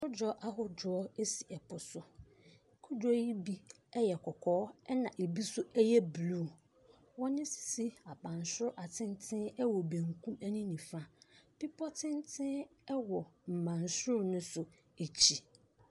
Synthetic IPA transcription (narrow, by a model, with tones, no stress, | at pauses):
ʊ˦d͡ʒɔ˦ʔa˦ɦʊ˦d͡ʒɔ˦ɔ˦e˦si˨ɛ˨pʰʊ˨sʊ˨ | kʰʊ˦d͡ʒɔ˦ji˦bi˦ | ɛ˦jɛ˨kʰɔ˨kʰɔː˦ɛ˦nã˨ʔe˨bi˦sʊ˦ɛ˦jɛ˦blu˦˨ | wɔ̃˦nɪ̃˦si̥˨si˦a˨bã˨n˨sɾʊ˦ʔa˨tʰɪ̃˦n˦tʰɪ̃˦ɛ˦wɔ˨bẽ˨ŋkʰũ˦mæ˦nĩ˦nĩ˨fa˦pi˦pʰɔ˦tʰɪ̃˦n˦tʰɪ̃˦ɛ˦wɔ˨m̩˨mã˨nsʊ˦ʊ˦nʊ̃˦sʊ˨ | e˨t͡ɕʰi˦